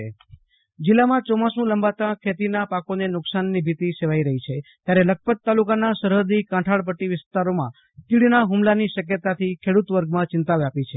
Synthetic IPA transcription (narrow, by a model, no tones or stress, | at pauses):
d͡ʒɪlːamãt͡ʃɔmãsũləmbat̪ãkʰet̪inapakonenʊksanːibʱit̪iseʋaiɾəɦit͡ʃʰet̪jaɾelək̚pət̪ːalukanasəɾɦəɾd̪ikãʈʰaɭp̬əʈːiʋɪst̪aɾomã̰ | t̪iɽinaɦumlaniʃək̬jət̪at̪ʰikʰeɽut̪ʋəɾɡmãt͡ʃɪnt̪aʋapit͡ʃʰe